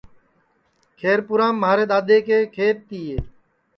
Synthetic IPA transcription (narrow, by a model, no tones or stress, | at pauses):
kʰeːɾpʊɾãːmːaːɾeːɗ̪aːd̪eːkeːkʰeːɾ̚t̪iːeː